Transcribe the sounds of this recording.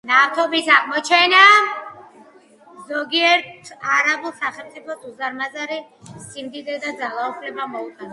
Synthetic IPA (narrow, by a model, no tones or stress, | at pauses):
naft̪ʰɔbisaʁmɔt͡ʃʰɛna | zɔɡiɛɾt̪aɾabulˠsaχɛlˠmt̪ʼipʰɔsuzaɾmazaɾi | simd̪id̪ɛd̪ad̪zalˠaupʰlɛbamɔut̪ʼana